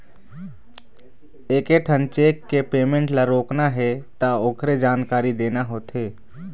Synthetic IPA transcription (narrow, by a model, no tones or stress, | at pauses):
eːkeʈʰənt͡ʃeːkːepeːmẽɳʈlaɾoːknaɦɛt̪aoːkʰɾed͡ʒaːnkaːɾid̪eːnaɦoːt̪ɦeː